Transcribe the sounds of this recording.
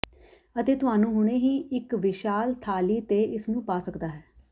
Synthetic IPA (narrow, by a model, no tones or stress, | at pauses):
ət̪eːt̪ʊɦaːnũːɦʊɽ̃ẽːɦiːɪkʋɪʃaːlt̪ʰaːliːt̪eːʔɪsnũːpaːsəkd̪aːɦɛː